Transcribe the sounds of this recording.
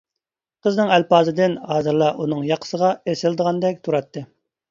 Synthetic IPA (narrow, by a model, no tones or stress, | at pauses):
qʰəznɨŋælpɑːzɨd̪ɪnhɑːzɨɾlˠɑʔunɨŋjɑqʰə̥səʁɑesɪlˠɨd̪əʁɑnd̪ɛk̚ʲt̪ʰuɾɑt̪ːɨ